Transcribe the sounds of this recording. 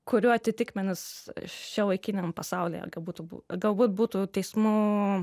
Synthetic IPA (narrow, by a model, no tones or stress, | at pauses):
kʊɾʲuːɐt̪ʲɪt̪ʲɪkmʲɛnʲɪst͡ʃʲɛʋɐɪkʲiːnʲempɐsɑʊlʲḛːjɛ̰ɡɐlˠbuːt̪ubṵɡɐlˠbuːt̪̚buːt̪uːt̪ʲɛɪsmuː